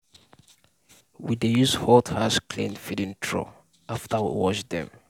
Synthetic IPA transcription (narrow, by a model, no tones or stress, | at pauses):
widejushɔthaskʰlẽndfidĩntʰɹɔ̰ | aftʰəwḭwɔʃdɛ̰̃m